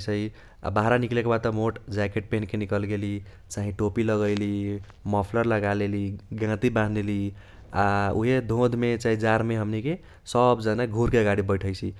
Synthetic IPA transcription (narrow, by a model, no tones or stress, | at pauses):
t͡ʃʰəi | a̰baɦɾaniklekebad̪̚t̪ɔmoʈd͡ʒakeʈ̚penkenikəlɡeli | t͡ʃaɦĩʈopiləɡəɪli | mɔpʰləɾləɡaleliɡãt̪ibãnd̪eli | auɦed̪ʱõd̪ʱmet͡ʃaɦid͡ʒaɾmeɦəmnike | səbd͡ʒənaɡʱuɾkeəɡaɽibəɪʈʰəjt͡ʃʰi